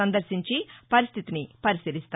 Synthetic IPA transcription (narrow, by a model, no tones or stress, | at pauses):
ɐnd̪ɐɾʃiɲt͡ʃipɐɾist̪ʰit̪inipɐɾisɐɾist̪